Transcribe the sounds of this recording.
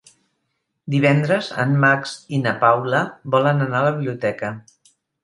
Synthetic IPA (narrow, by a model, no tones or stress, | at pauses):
d̪iβ̞ɛnd̪ɾəzə̰mːaksinəpawləβɔlənənaləβiβliut̪ɛkə